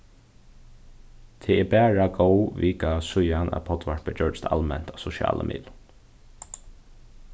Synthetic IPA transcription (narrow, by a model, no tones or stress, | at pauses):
t̪ʰɛɛɹbæːɹaɡowʋiːkasʊjanʔa̰pʰɔt̪ʋaɹpəd͡ʒœɹst̪ʰa̰lmɛn̥t̪asɔʃja̰ːlə̰mʔḭːd̪